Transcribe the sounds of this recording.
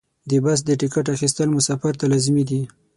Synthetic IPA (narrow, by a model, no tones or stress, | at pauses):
d̪ebas̬d̪əʈɪkaʈaxis̬t̪əlmʊsafaɾt̪alazmid̪i